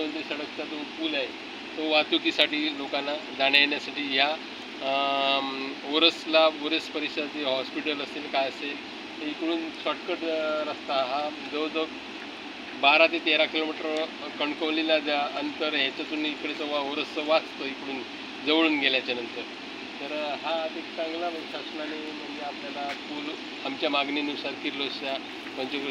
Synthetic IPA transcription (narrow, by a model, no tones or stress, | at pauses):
mənt̪ɾisəɽəkt̪at̪ofuːlae | t̪oʋat̪ukiːsaʈiːlokanad͡zaɽjaɳjasaʈiːɦja | oɾəslaoɾəspəɾikɕəateɦɔspiʈələselkajəsel | ikɽuːnsɔʈkəʈɾəst̪aɦa | d͡zəwd͡zə | baɾat̪et̪eɾakʰilomaʈɾə | kəɳkəʋlilad͡zaənit̪əɾɦat͡ɕat͡suːnikəɽet͡sɔʋaʋoɾəsəʋat͡st̪əikəɽuːn | d͡zəʋɭuːnɡʱeljat͡ɕanənt̪əɾ | t̪əɾɦaːt̪ekt͡sãŋɡlaməsasnañi | məd͡zeapljalapuːl | amt͡ɕjamaɡninusaɾkiɾloɕa | pənt͡ɕok